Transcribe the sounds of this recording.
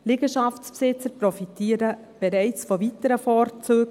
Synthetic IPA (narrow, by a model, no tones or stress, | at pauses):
lɪɡəʃɑfspsɪt͡səɾpɾɔfitiːəɾə | b̥ɛɾɛɪt͡sfɔvitəɾəfɔːɾt͡søːɡ